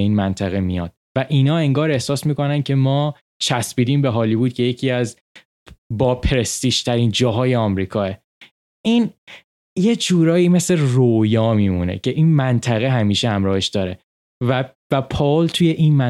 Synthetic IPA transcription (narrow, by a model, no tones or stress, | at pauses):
iːnmænt̪ʰæɣe̞mḭjɒ̰d̪̥væʔiːnɒːe̞ŋɡɒːɾe̞hsɒːsmiːko̞næncʰe̞mɒː | t͡ʃʰæsbiːd̪iːmbeɦɒːliːbuːd̪̚kʲʰe̞je̞cʰiːæz | bɒːpʰeɾest̪iːʃt̪ʰæɾiːnd͡ʒɒːɦɒːjeɒmɾiːkʰɒːe | iːn | jed͡ʒuːɾɒːjiːme̞sle̞rojɒːmiːmunḛcʰe̞ʔiːnmænt̪ʰæɣe̞ɦæmiːʃehæmɾɒːhe̞ʃd̪̥ɒːɾe̞ | væ | væpʰɒlt̪ʰuje̞ʔinmæ